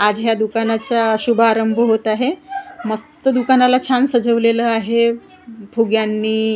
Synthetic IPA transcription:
ad͡zɦjad̪ukanat͡saɕubʱaːɾəmbʱəɦot̪aɦeməst̪əd̪ukanalat͡ɕʰansəd͡zəʋleləaɦe | bʱuɡjanːiː

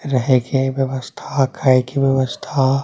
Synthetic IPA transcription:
ɾɐɦekeʋjɐʋəst̪ʰakʰaekibjɐʋəst̪ʰa

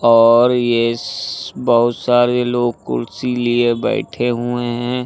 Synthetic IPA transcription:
ɔːɾje | bəɦʊt̪saːɾeloːɡ̚kʊ̰lsiliebɛ̰ːɪʈʰeɦueɦɛ̃ː

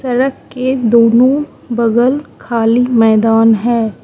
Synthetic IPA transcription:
sɐɾəkked̪oːnõ | bɐɡəlkʰaːlimɛːd̪aːnɦɛː

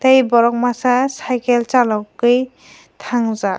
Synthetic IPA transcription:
t̪ajbɔɹɔk̚masasajkɛlt͡ʃalɔkːɯj | t̪ʰaŋza

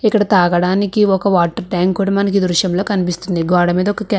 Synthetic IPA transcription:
ikːɐɽɐt̪aːɡɐɽaːnikiɔkɐʋaːʈːɐɾɖaːŋkːuːɽamɐnɐk̬id̪ɾuʃjɐmlo̞ːkɐnipist̪und̪iɡaːɽɐmiːd̪ɐɔkɐkɛ

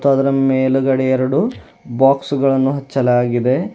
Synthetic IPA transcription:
t̪ɐːd̪ɐɾɐmeːluɡɐɽɛɛɾɐɽu | baːksɡɐɭɐnːuɦɐt͡ʃːɐlaːɡid̪e̞

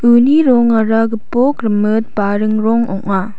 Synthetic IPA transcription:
ɯniɾɔŋaɾaɡɯpɔkɾɯmɯt̚paɾɯŋɾɔŋɔ̰k̚na

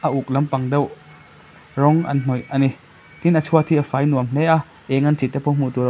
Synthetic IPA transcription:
ʔɐʔuk̚lɐmpɐŋdew | ɾɔŋʔɐ̰nn̥ɔjani | t̪inʔɐt͡sʰuɐt̪ʰiɐfaːjnuɐmhea | ʔɛŋɐnt͡sit̪ɛpʰɔwm̥ut̪uɾ

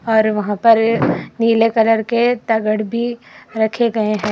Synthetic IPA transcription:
ɔːɾʋɐɦãpɐɾniːlekɐləɾket̪ɐɡəɽbʱiɾɐkʰeɡɐeɦɛ̃ː

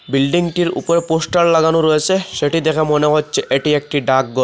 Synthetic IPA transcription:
bilɖiŋʈiɾṵpɔɾeposʈallaɡanoɾojet͡ɕʰeʃeʈid̪ɛkʰamɔnekotːsʰeʔeʈiek̚ʈiɖak̚ɡɔ

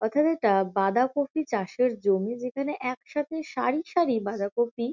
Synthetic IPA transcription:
ɔt̪ʰat̪eʈabad̪akofit͡ɕaʃeɾd͡ʑomid͡ʑekʰaneʔɛkʃat̪ʰeʃaɾiʃaɾibad̪akofi

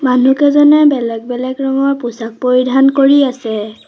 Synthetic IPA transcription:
manukɛzɔnɛbɛlɛɡ̚bɛlɛkɹɔŋɔɹpusak̚poɹidʱankoɹiasɛ

